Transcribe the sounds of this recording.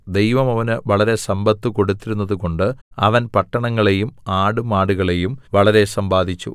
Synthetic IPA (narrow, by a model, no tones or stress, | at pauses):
d̪e̞jʋɐmɐʋɐnɨʋɐɭɐɾe̞sɐmbʱɐt̪ːuko̞ɽut̪ːiɾunːɐðuko̞ɳɖɨɐ̰ʋɐnpɐʈːɐɳɐŋːɐɭe̞jumaːɽumaːɽuɣɐɭe̞jumʋɐɭɐɾe̞sɐmbaːd̪ʱit͡ɕːṵ